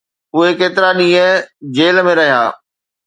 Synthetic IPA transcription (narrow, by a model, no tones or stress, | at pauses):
ʊɦekeːt̪ɪɾaɗĩːə̃d͡ʑeːlmẽɾɐɦija̰ː